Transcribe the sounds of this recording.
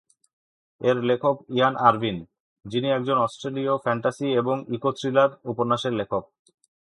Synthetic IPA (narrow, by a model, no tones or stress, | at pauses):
eɾlekʰokianaɾbin | d͡ʑiniɛk̚d͡ʑonɔsʈɾeliofɛɳʈasieboŋikotɾilaɾupoɾnːaʃeɾlekʰok̚